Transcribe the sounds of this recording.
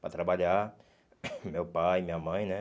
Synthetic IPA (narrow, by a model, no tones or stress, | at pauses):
pɾat̪ɾabaʎa | mewpajmĩɲɐmɐ̃j̃nɛ